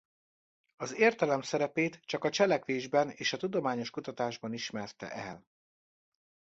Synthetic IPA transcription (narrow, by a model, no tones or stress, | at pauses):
ɒzeːrt̪ɛlɛmsɛɾɛpeːt̪t͡ʃɒkɒt͡ʃɛlɛkʋeːʒbɛneːʃɒt̪ud̪o̞maːɲo̞ʃkut̪ɒt̪aːʒbɒniʃmɛrt̪ɛ̰ʔɛ̰l